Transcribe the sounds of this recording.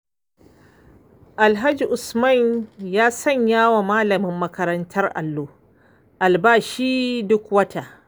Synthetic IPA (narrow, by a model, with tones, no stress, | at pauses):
ʔa˨lɦa˦d͡ʒi˨ʔʊ˨smɐ˦˨ɲjaː˦sɐ˦˨ɲjaː˦wa˨maː˦lɐ˨mɪ˦mːɐ˦kɐ˦ɾɐ˦ntʰɐ˦rʔa̰˨lːoː˦ | ʔa˨lbaː˦ʃiː˦dʊ˦kwɐ˦tʰaː˨ʔ